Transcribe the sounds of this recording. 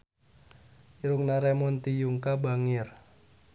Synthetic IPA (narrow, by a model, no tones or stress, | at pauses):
iɾʊŋnaɾɛmɔnt̪ijuŋkabaŋɪr